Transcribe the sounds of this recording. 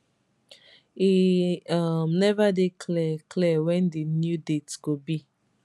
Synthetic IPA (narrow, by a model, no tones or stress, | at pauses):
iamnɛvadekʰlɛklɛwɛ̃ndenjudetɡobi